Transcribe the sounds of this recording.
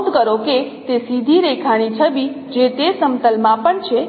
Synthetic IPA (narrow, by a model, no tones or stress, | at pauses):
d̪kəɾoket̪esid̪ʱiɾekʰaɽ̃it͡ʃʰəbi | d͡ʒet̪esəmt̪əlmãpəɳt͡ʃʰe